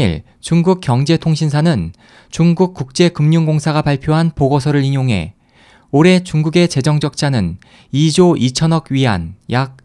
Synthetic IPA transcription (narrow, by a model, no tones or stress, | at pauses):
ḭɭ | t͡ɕuŋɡuk̚k͈jʌŋd͡ʑe̞tʰoŋɕʰinsʰanɯn | t͡ɕuŋɡuk̚k͈ːuk̚t͡ɕ͈e̞kɯmɲuŋɡoŋsʰaɡapaɭpʰjoɦanpoɡos̬ʰʌɾɯɾiɲjoŋɦe̞̰ | oɾe̞t͡ɕuŋɡuɡe̞t͡ɕe̞d͡ʑʌŋd͡ʑʌk̚t͡ɕ͈anɯn | id͡ʑoʔit͡ɕʰʌnʌɡɥiɦa̰njak̚